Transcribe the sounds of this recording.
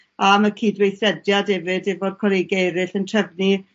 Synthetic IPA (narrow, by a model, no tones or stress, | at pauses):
aməkʰiːdwejθɛdjadɛvɪdɪvoːd̚kʰɔɾejɡejɾɨɬəntʰrɛvni